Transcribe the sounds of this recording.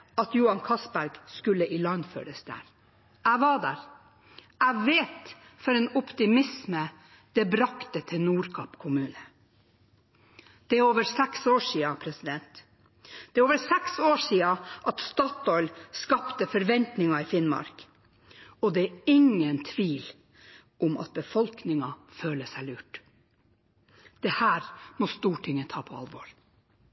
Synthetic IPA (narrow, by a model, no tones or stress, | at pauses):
ɑt̪juːɑnkʰɑsbæɾɡskʉlːəʔɪlɑnfø̰ːɾəsd̪æ̰ːɾ | æɪʋɑɖæ̰ːɾ | æɪʋeːt̪ | fɔɾɛːnɔpt̪ɪmɪsmə | d̪̥ɛbɾɑkt̪ət̪ʰɪnuːɾkʰɑpkʰʊmʉːnə | d̪̥ɛæoːʋəɾsɛksoːʂiːɑpʰɾɛsɪd̪ɛnt̪ | d̪̥ɛːɾoːʋəɾsɛksoːʂiːɑʔɑt̪st̪ɑːt̪ɔʏlskɑpt̪əfɔɾʋɛnt̪nɪŋɑɪfɪnmɑ̰ɾk | ɔd̪ɛæɪŋːənt̪ʰʋiːl | ʔʊmɑ̰t̪̚bəfɔlknɪŋɑføːləsæɪlʉːʈ | d̪̥ɛhæːɾmɔst̪uːʈʰɪŋːət̪ʰɑːpʰɔɑ̰lʋoːɾ